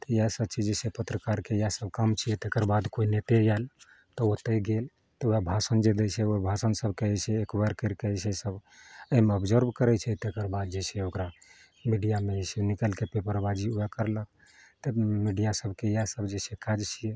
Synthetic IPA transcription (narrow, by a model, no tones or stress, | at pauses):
t̪əjasəbt͡ʃid͡ʒsepət̪ɾəkaɾkejasəbʱkəmt͡ʃʰijɛt̪ekəɾbad̪koinet̪ejal | t̪ɔot̪əɡel | t̪ɔujabʱasənd͡ʒed̪esʰɛobʱasənsəbkeɛsʰɛːkʋəɾkeɾkesʰesəbəimeəbd͡ʒəɾbʱkəɾɛt͡ʃʰɛt̪ekəɾbad̪̚d͡ʒeseokɾa | miɖijamesenikəlkepepəɾbad͡ʒiujakəɾlək̚ | t̪əmiɖijasəbkejasəbd͡ʒesekad͡ʒt͡ʃʰijɛ